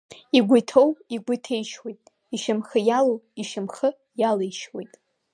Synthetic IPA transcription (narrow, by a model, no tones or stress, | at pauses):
iɡʷʊjtʰowiɡʷʊtʰejʃwejtʼ | iʃamχəjalowiʃɪmχə | jalejʃwḛjtʼ